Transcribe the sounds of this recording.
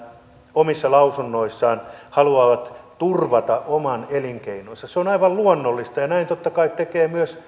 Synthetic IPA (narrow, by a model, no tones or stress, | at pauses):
omisːɑlɑusunːoisːɑːnhɑluɑːʋɑt̪t̪urʋɑt̪ɑʔomɑneliŋkeinonsɑseonɑiʋɑlluonːolːist̪ɑjɑnæint̪ot̪ːɑkɑit̪t̪ekeːmyøs